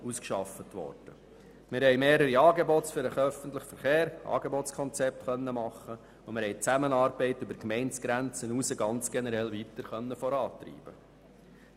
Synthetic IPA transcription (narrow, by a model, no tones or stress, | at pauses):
uskʃɑfətʋɔ̰ːrd̥ə | mɪːɾhɛɪmeːɾəɾiɑːɡebɔtsfyɾəχœfənt̪ləχfəɾχeːɾʔɑ̰ːɡ̥ebɔtt͡skʰɔnt͡sɛp̚t̪χœnːəmɑχːə | ʊmɪɾhɛɪt͡sæmənɑːɾbɛɪtːybəɾkmɛɪnt͡sɡ̥ɾænt͡sənusəɡɑnt͡sɡ̥ɛnəɾɛlʋit̪əɾχœnːəfɔɾɑːt̪ɾḭːb̥ə